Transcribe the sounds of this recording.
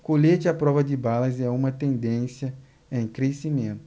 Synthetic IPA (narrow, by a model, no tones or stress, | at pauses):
koʎet͡ʃɪɐpɾɔvɐd̪ɪbalɐzɛũmɐt̪ẽnd̪ẽsjɐ | ẽj̃kɾesimẽnt̪ʊ